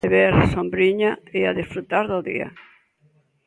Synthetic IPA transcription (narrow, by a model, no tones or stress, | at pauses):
eβeɾsombɾiɲaeaðesfɾut̪aɾðoðḭɐ̰